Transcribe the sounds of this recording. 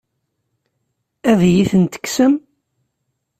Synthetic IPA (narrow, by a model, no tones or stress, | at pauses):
æðjiθənt̪ə̥ksəm